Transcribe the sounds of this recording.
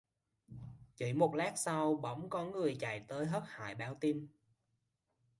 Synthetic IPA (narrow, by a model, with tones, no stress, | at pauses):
t͡ɕḭ˧˩˥mo˨˩t̚laː˦˥k̚sa˧wɓə̰˧˦wŋ͡mkɔ˧nŋɨ˨˩əjt͡ɕa̰˧˨jt̪əː˨˦jɦəː˦˥t̚ha̰ː˧˨jɓaː˧˦wt̪i˧n